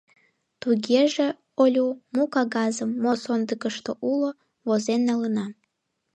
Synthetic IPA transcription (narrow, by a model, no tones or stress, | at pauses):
t̪uɣeʒe | olʲumukɑɣɑzəmːosond̪əkəʃt̪oʔulo | βozenːɑlənɑ